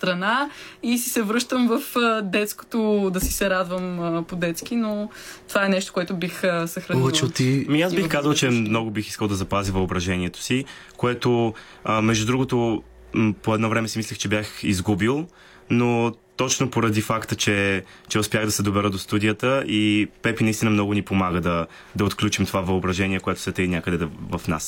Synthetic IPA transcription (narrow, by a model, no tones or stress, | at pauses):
st̪ɾɐna | isi̥sɛvɾɤʃt̪əmvəfəd̪ɛt̪sko̥t̪od̪ɐsi̥sɛɾad̪vəməpod̪ɛt̪sk̟ino | t̪ovaɛnɛʃt̪o̥koɛt̪ʊbixəsəxɾɐnit͡ʃt̪ːimiazbixkazəlˠt͡ʃɛmnɔɡʊbixiskəlˠd̪ɐzɐpazivɐobɾɐʒɛniɛt̪o̥si | koɛt̪o | mɛʒd̪ud̪ɾuɡot̪o | poɛd̪nɔvɾɛmɛsimislʲixt͡ʃɛbjaxizɡubilˠ | not̪ɔt͡ʃnopoɾɐd̪ifakt̪ət͡ʃɛ | t͡ʃɛʊspʲjaɣd̪ɐsɛd̪obɛɾəd̪ost̪ud̪ijət̪əipɛpinist̪inəmnɔɡʊnipomaɡəd̪ɐ | d̪ɐot̪klʲut͡ʃimt̪ovavɐobɾɐʒɛnʲiɛkoɛt̪ʊ̥sɛt̪əinʲjakəd̪ɛvɐfna̰s